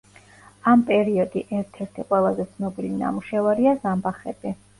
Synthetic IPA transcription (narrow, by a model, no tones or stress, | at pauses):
ampʼɛɾiɔd̪iʔɛɾt̪ʰɛɾt̪ʰiqʼwɛlˠazɛt̪sʰnɔbilina̰muʃɛvaɾiazambaχɛbɛ